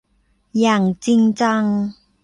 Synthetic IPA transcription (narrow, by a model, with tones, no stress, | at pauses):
jaː˨˩ŋt͡si˧ŋt͡sa˧ŋ